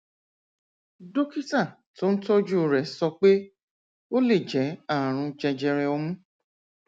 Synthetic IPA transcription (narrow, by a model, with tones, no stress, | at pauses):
do˦ki˦ta˦˨ | to˦n̩˦tɔ˦d͡ʒu˦o˧ɾɛ˨sɔ˧k͡pe˦ | o˦le˦˨d͡ʒɛ˨˦a˦˨ɾ̃ũ˧d͡ʒɛ̃˧d͡ʒɛ˧ɾɛ˧ɔ˧mũ˦